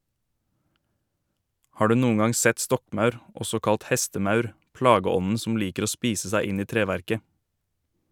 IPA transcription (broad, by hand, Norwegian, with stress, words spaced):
ˈhɑː ˈɖʉː ˈnuːŋ̍ ˈɡɑŋ ˈsɛt ˈstɔkˌmɑʉɾ ˈɔsɔ ˈkɑlt ˈhɛstəˌmɑʉɾ ˈplɑːɡəˌɔnn̩ sm̩ ˈliːkəɾ ˈoː ˈspiːsə ˈsæɪ ˈɪn ˈiː ˈtɾeːʋæɾkə